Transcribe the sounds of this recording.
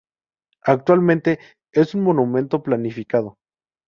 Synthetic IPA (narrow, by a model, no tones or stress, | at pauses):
ak̚t̪walmẽnt̪e̞ | esunmõ̞numẽ̞nt̪oplanifikað̞o